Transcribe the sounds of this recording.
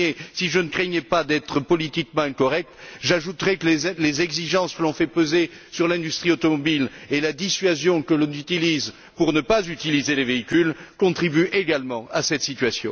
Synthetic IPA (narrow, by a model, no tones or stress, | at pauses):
esiʒənəkχɛɲɛpad̪ɛt̪χəpɔlit̪ikmɑ̃ɛ̃kɔʁɛk̚t̪ʒaʒut̪ʁɛkəlelezɛɡziʒɑ̃skəlɔ̃fɛpøze | syʁlɛ̃d̪yst̪χiot̪ɔmɔbilelad̪isɥazjɔ̃kəlɔ̃nyt̪iliz | puʁnəpazyt̪ilizeleveikʲylkɔ̃t̪χibyʔeɡalmɑ̃asɛt̪sit̪ɥasjɔ̰̃